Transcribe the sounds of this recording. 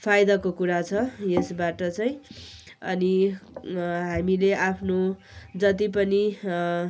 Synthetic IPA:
pʰajd̪akokuɾat͡sʰʌjesbaʈʌt͡saj̃ | ʌ̰ni | ɦamileʔapʰno | d͡zʌt̪̬ipʌni

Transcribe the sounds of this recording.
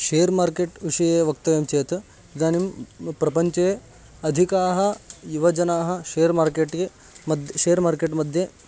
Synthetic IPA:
ʃeːɾmaːɾkeːʈʋiʂɐjeːʋɐkt̪ɐʋjɐmt͡ɕeːt̪ | d͡zaːnimpɾɐpɐɲt͡ʃɐje | ɐd̪ʱikaːɦɐ̆juʋɐd͡ʒɐnaːɦɐ̆ʃeːɾmaːɾkeʈe | mɐd̪ʱʃeːɾmaːɾkeːʈmɐd̪ʱje

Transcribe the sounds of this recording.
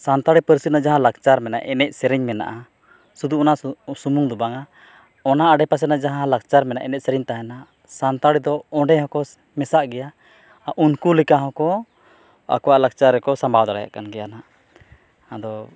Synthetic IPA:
sant̪aɽipəɾsit̪nad͡ʒaɦãlakt͡ʃaɾmɛna̰ʔɛnɛc̚sɛɾɛɲmɛna̰ʔa | sud̪uɔnasumuŋd̪ubaŋa | ɔnaːɖɛpas̬ɛnad͡ʒaɦãlak̚t͡ʃaɾmɛna̰ʔɛnɛc̚sɛɾɛɲt̪aɦɛna | sant̪aɽid̪ɔɔ̃ɖɛhɔ̃kɔ | mɛsaʔɡɛja | aʔunkulikaɦɔ̃kɔ | a̰kɔwaʔlaɡ̚t͡ʃaɾɛkɔsambʱawd̪aɽaja̰ʔkanɡɛjana | ad̪ɔ

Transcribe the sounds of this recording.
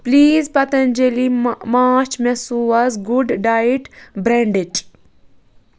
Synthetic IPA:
pliːzpɐt̪ɐ̃nd͡ʒelimaːt͡ʃmesuɐzɡuɖɖaːiʈbɾɛ̃ɳɖiʈ

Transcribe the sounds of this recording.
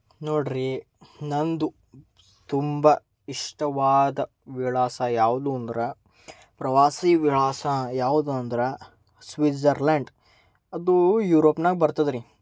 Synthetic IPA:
noːɽɾi | nɐnd̪u | t̪umbɐ | iʂʈɐʋaːd̪ɐ | ʋiɭaːsɐjaːʋud̪uɐnd̪ɾɐ | pɾɐʋaːsiːʋiɭaːsajaːʋud̪uɐnd̪ɾɐ | sʋid͡ʒɐɾleɳɖ | ɐd̪ujuːɾoːpnaːɡibɐɾt̪ɐd̪ɾi

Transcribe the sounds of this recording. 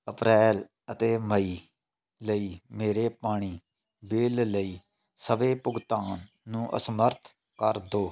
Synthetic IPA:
əpɾɛːl | ət̪eːməiː | ləiːmeːɾeːpaːɽ̃iː | beːlləiː | səʋeːpʊɡt̪aːnː | ũːʔə̰səməɾt̪ʰ | kəɾd̪oː

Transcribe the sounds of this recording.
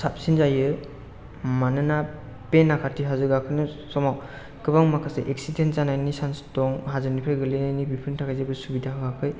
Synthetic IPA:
sap̚sinzajɯ | manɯna | penːakʰatʰiɦazɯɡakʰɯjnɯsɔmak | kʰɯbaŋmakʰaseʔek̚sidenzanajnisanstɔŋɦazɯnipʰɾajɡɯlenajnibipʰɯɾntʰakʰajzajbɯsubidaɦaɡakʰɯj

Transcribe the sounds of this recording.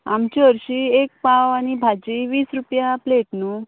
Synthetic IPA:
a̰mt͡ɕiəɾɕiek̚paʋañibʱad͡ʑiʋiːsɾupjapleʈnu

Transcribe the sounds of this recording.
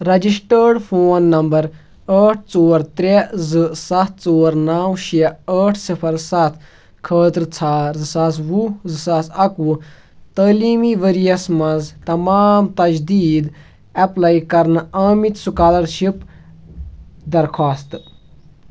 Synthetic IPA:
ɾɐd͡ʒisʈəːɖpʰoːnːɐmbɐɾ | əːʈʰt͡soːɾt̪ɾʲezɨsɐt̪̚ʰt͡soːɾnaːwʃɐəːʈʰsipʰɐɾsɐt̪ʰ | kʰəːt̪ɾt͡sʰaːɾzɨsas̬ʋuzɨsasɐku | t̪əːliːmiːʋəɾijɐsmɐnzt̪ɐmaːmt̪ɐd͡ʒd̪iːd̪ | ɐplaːjkɐɾnaːmit̪sukaːlɐɾʃip | d̪ɐɾkʰaːst̪

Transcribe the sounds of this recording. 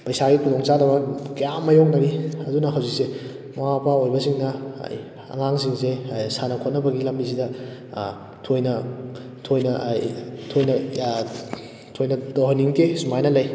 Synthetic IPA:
pɐjsaɡikudɔŋt͡ʃadɐbɐkɐjamːɐjoŋnɐɾiɐdunɐɦɐwzik̚se | mapaojbɐsiŋnɐ̰j | ɐ̰ŋaŋs̬iŋsejsanɐkʰot̚nɐbɐɡilɐmbis̬idɐ | tʰojnɐ | tʰojnɐ | tʰojnɐ | tʰojnɐdoɦɐnːiŋtʰesumajnɐlɐj

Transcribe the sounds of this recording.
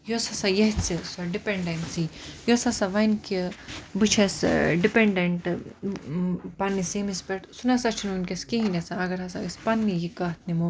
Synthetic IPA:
josɐsajɐɦt͡sisoɖipeɳɖensijosɐsaʋɐnkibɨt͡ʃʰɐsɖipeɳɖeɳʈ | pɐnːisemispʲɛʈsunɐsɐt͡ʃʰununkʲeskeɦinɐsaɐɡɐɾɦɐsa̰ɡispɐnːijikat̪nimo

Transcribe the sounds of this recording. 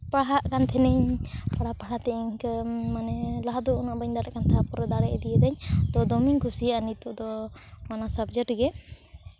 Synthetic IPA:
paɽɦaʔkant̪ʰɛnɛɲpaɽapaɽat̪ɛʔiɲkmanɛlaɦad̪ɔunɔʔbaɲd̪aɽɛʔkant̪ʰapɔɾɛd̪aɽɛʔɛd̪ijəd̪aɲt̪ɔd̪ɔmiŋkusiʔanit̪ɔʔd̪ɔmanasabd͡ʒəʈɡɛ

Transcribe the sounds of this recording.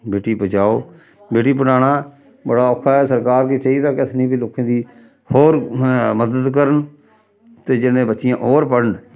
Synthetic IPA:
beːʈiːpət͡ʃaːoː | beːʈiːpənaːɽaː | bəɽaːɔːkʰːaːɛːsəɾkaːɾkit͡ʃaiːd̪aːkɪt̪ʰnĩːbiːloːkãːd̪iː | hoːɾməd̪əd̪kəɾən | t̪eːd͡ʒɪnẽːbətːʃɪjãːʔoːɾpəɽəɳ

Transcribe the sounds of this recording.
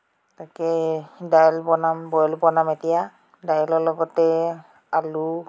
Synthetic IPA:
takɛdajlpɔnambɔjɔlpɔnametija | dajɔlɔlɔɡɔtɛ | alu

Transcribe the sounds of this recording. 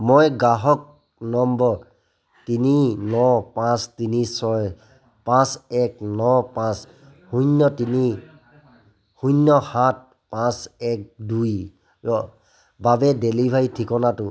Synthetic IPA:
mojɡaɦɔk̚ | nɔmbɔɹ | tininɔpãstinisɔj | pãsɛk̚nɔpãs | hunːɔtini | hunːɔhat̚ | pãsɛk̚duj | ɔ | babɛdelibʱajtʰikɔnatʊ

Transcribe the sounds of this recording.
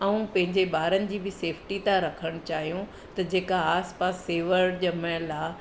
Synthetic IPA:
ɐũpɐ̃ɦɪ̃ɲd͡ʑeɓaːɾənɪ̆d͡ʑiːbɪseːfʰʈit̪ãɾɐkʰəɽ̃ʊt͡ɕaːɦijũ | t̪ɐd͡ʑeːkaaːspaːsːeːʋəɾd͡ʑɐmə̃laː

